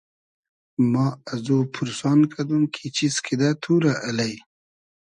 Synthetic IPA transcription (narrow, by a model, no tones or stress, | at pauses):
mɑazopʰʊɾsɑːnkʰad̪umkʰit͡ʃiskʰid̪at̪ʰuɾaʔalaj